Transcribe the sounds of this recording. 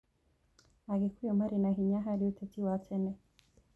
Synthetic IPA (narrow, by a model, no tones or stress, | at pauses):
aɡikujɔmaɾinaɦiɲaɦaɾiutɛtiwatʰɛnɛ